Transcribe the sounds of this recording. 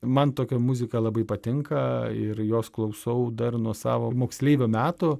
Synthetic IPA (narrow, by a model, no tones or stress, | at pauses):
mɐnt̪oːkʲɛmʊzʲɪkɐlˠɐbɐɪpɐt̪ʲɪŋkɐɪɾjoːsklˠɐʊsɐʊd̪ɐrnuɔsɑ̰ːʋomoːksʲlʲeːʋʲomʲæːt̪ʊ